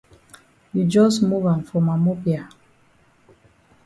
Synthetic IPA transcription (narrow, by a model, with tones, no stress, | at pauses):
jud͡ʒɔ˦smu˦vã˨nfɔ˨ma˨mɔ˦pia˨